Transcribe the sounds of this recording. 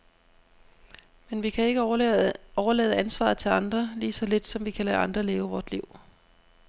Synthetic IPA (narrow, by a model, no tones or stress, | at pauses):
menʋikʰæe̝ɡ̥ə | ɒʊɐlɛ̰ːðˠænsʋɑ̰̈ːð̩ˠt͡sʰe̝lɑ̈nd̥ʁɐliːsɒ̽le̝d̥sɒ̽mʋikʰælæʔɑ̈nd̥ʁɐle̝ːʊəʋɒːd̥liʊ̰